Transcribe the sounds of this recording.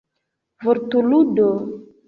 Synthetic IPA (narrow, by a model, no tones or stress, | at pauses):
voɾtuludo